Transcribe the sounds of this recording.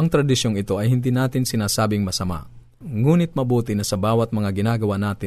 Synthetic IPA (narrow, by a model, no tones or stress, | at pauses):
ʔɐŋt̪ɾɐd̪ɪʃjoŋɪt̪o̞ʔɐjhɪnd̪inaːt̪ɪnsɪnaːsaːbɪŋmɐsɐma̰ʔ | ŋuːnɪt̪̚mɐbuːt̪ɪnɐsɐbaːwɐt̪̚mɐŋaɡɪnaːɡɐwanaːt̪ɪ